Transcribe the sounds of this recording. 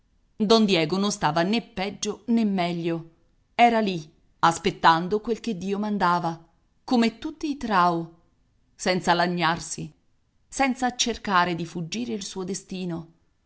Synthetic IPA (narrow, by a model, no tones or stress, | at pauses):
d̪ɔnd̪jɛːɡononst̪aːvanepːɛd͡ʒːonemːɛʎːo | ɛːɾali | aspet̪ːand̪okwelk̟ed̪ːiːomand̪aːva | komet̪ːut̪ːiːt̪ɾaːo | sɛnt̪salaɲːarsi | sɛnt̪sat͡ʃerkaːɾed̪ifud͡ʒːiːɾeilsuːod̪est̪iːno